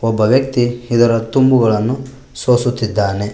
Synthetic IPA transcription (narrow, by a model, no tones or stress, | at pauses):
ɔbːɐʋjɐkt̪iid̪ɐɾɐt̪umbuɡɐɭɐnːu | soːsut̪ːid̪ːaːne